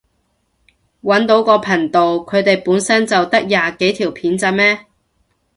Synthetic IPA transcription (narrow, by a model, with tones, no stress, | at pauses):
wɐ˨˥nt̪o˨˥wkɔː˧pʰɐ˨˩ŋt̪o˨wkʰɵ˨˧ɥt̪e˨jpuː˨˥nsɐ˥nt͡sɐ˨wt̪ɐ˥k̚jaː˨ke˨˥jt̪ʰiː˨˩wpʰiː˨˥nt͡sɐ˧mɛː˥